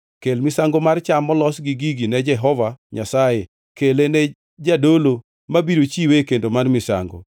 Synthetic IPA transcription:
kelmɪsaŋɡomart͡ʃamːɔlɔsɡɪɡiɡinɛd͡ʒɛɦɔvaɲasaje | kelenɛ | d͡ʒadolo | mabiɾot͡ʃiwekendomanmɪsa̰ŋɡo̰

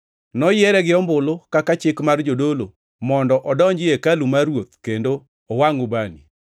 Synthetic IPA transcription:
nɔjɛɾɛɡɪɔmbʊlokakat͡ʃɪkmard͡ʒodolo̰ | mɔndɔʔɔdɔɲd͡ʒɪekalumaɾwot̪̚kendo | ɔwaŋubanḭ

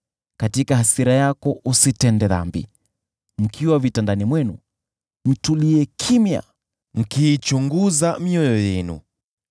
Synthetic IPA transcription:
katikahasiɾajakɔʔusitɛndɛða̰mbḭ | m̩kʰiwavitandanimwɛnu | m̩tuliɛkʰimja̰ | m̩kiːt͡ʃuŋɡuzamiɔjɔjɛnṵ

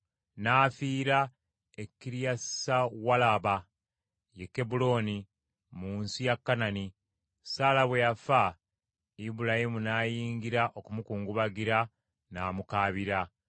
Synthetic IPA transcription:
naːfiːɾa | ekːiɾijasawalaβa | jekːe̞bulo̞ni | muːnsijakːanani | saːlaβweafa | ibuɾahimunaːjiːŋɡiɾaʔo̞kumukuːŋɡuβaɡiɾa | naːmukaːβiɾa

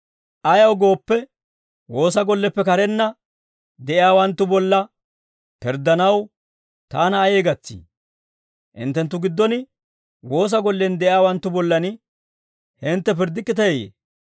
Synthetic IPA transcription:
ʔɐjɐwɡo̞ːpːɛ | wo̞ːs̬ɐɡɔlːɛpːɛkɐɾɛnːɐ | d̪ɛʔɪaːwɐnt̪ːʊbɔlːɐ | pɪɾd̪ːɐnɐw | t̪aːnɐːjeːɡɐt͡sːḭː | ʔɪ̰nt̪ːɛnt̪ːʊɡɪd̪ːɔnɪ | wo̞ːs̬ɐɡɔlːɛnd̪ɛʔɪjaːwɐnt̪ːʊbɔlːɐnɪ | hɪnt̪ːɛpɪɾd̪ɪkːɪt̪ɐjejḛː

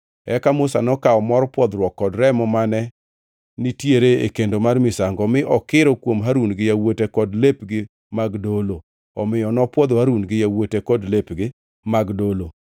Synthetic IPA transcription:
ɛkamʊsa̰nɔkaɔmɔɾɔpwɔd̪ɾwɔkːɔdɾɛmɔmanɛ | nɪtjeɾeḛkendomarmɪsaŋɡɔmɪʔɔkɪɾɔkwomɦaɾunɡɪjawotekɔdlepɡɪ | maɡdolo | ɔmɪjɔnɔpwɔd̪haɾunɡɪjawotekɔdlepɡɪ | maɡdolo

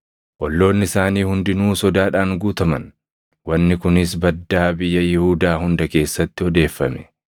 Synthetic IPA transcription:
ʔɔlːo̞ːnːɪɪsaːniːhʊnd̪ɪnuːsɔd̪aːᶑaːŋɡuːt̪ɐmɐ̰n | wɐnːɪkʊnɪs̬bɐd̪ːaːbɪjːɐjɪhuːd̪aːhʊnd̪ɐke̞ːsːɐt̪ːɪɔd̪e̞ːfːɐ̰mɛ̥

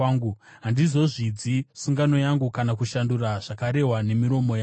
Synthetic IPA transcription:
ŋɡuɦandizo̞ʐid͡zisuŋɡano̞jaŋɡukanakuʃanduraʐ̥akaɾe̞ɦwane̞miɾo̞mo̞jaː

